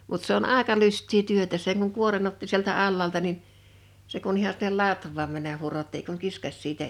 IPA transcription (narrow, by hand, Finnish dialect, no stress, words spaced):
mut se on ɑˑekɑ lystˑiː tyøtæ seŋ kuŋ kuoren otːi sieltæ ɑlːɑːltɑ nin se kun ihɑ sinːel lɑtʋˑɑːm mænːæh̆ hurotːi ei kuŋ kiskɑsʲ siːtæ